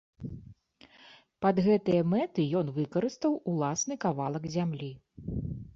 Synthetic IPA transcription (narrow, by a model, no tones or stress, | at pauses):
pɐd̪ɣɛt̪ɨjɐmɛt̪ɨjɔnvɨkɐɾɨst̪vɐwulˠasnɨkavalˠɐɡzʲamlʲi